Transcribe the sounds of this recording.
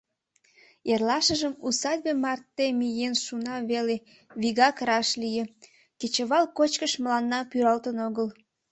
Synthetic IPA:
erlɑʃəʒəmusɑd̪̚ʲbemɑrt̪ːemijenʃunɑβele | βiɣɑkɾɑʃlije | ket͡ɕəβɑlkot͡ɕkəʃməlɑnːɑpyɾɑlt̪ənoɣəl

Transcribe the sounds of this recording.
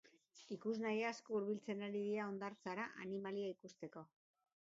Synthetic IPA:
ikuznajaskouɾβilt͡se̞naɾiðiɾao̞nd̪aɾt͡saɾaʔanimaliaikust̪e̞ko̞

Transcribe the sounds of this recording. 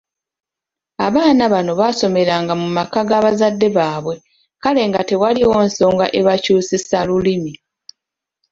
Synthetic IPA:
aβaːnaβano̞βaso̞me̞ɾaːŋɡamumakaɡaβazadːe̞βaːβwe̞ | kale̞ːŋɡate̞waliwo̞ːnso̞ːŋɡa̰ʔe̞βacuːsisalulimi

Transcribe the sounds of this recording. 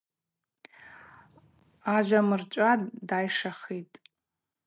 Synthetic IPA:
aʒʷamɨrt͡ʃʷʼaddajʂaχitʼ

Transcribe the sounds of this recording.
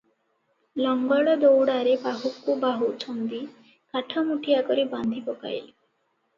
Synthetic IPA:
lɔŋɡɔɭɔd̪owɽaɾebaɦukːubaɦut͡ʃʰɔnd̪i | kaʈʰɔmuʈʰijakɔɾiband̪ʱipɔka̰jli

